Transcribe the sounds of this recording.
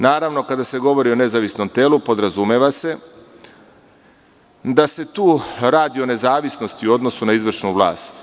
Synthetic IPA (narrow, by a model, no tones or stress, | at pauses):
naːɾaʋno̞kad̪ase̞ɡo̞ʋo̞ɾio̞ne̞zaʋisno̞mt̪e̞ːlupo̞d̪ɾazumeʋase̞ | d̪ase̞t̪uːɾaːd̪io̞ne̞zaːʋisno̞st̪iuo̞d̪no̞sunaizʋr̩ʃnuʋlˠa̰ːst̪